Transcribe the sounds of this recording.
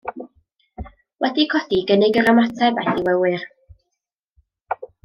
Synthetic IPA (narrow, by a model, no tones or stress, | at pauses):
wʔɛdikʰɔd̥iɡənɪɡəɾəmɔtʰɛbɛθiwɛwɨr